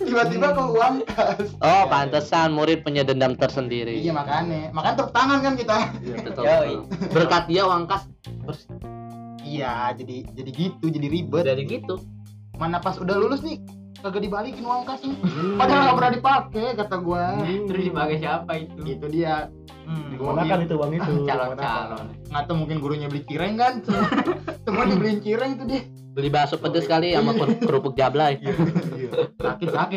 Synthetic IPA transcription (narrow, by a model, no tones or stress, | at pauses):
ibat̪ibakəwaŋkasʔɔpant̪asanmuɾɪt̪̚puɲadəndamt̪ərsəndiɾiijamakanemakant̪ərt̪aŋankankit̪at̪ | bərkat̪̚diawaŋkas | bərs | ijad͡ʒadid͡ʒadiɡit̪ud͡ʒadiɾibədaɾiɡit̪u | manapasudahlulʊsni | kaɡaʔdibalikɪnwaŋkasɪpadaaŋɡapəɾadipakɛkat̪aɡuainɾiibaɡasiapait̪uit̪udia | iɡuaait̪ubaŋiut͡ʃalɔnt͡ʃalɔn | ŋat̪amuŋkɪnɡuɾuɲabəlit͡ʃiɾɛŋkansət̪əmodibəliɲt͡ʃiɾɛŋit̪udia | bəlibasoʔpədəsəkaliamakəkəɾupʊk̚d͡ʒablai | sakɪsakɪ